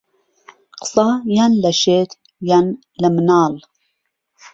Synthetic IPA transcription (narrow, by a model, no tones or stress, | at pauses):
qɨ̥sˤɑjanlɐʃet̪ | jan | ləmənɑːl